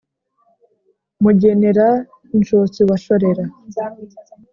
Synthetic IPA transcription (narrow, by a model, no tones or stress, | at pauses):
muɟene̞ɾa | inʃot͡siβaʃoɾe̞ɾa